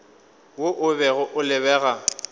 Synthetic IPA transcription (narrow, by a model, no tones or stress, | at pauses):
woʔʊbɛɣʊʔʊlɪβɛːɣa